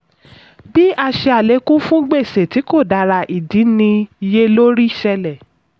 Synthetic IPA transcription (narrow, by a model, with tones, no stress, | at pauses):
bi˦a˧ʃe˧a˨le˨˦kũ˦fũ˦ɡ͡be˦˨se˨ti˨˦ko˦˨da˧˨ɾa˧ʔi˨di˨˦nĩ˧je˦lo˦ɾi˦˨ʃɛ˧lɛ˨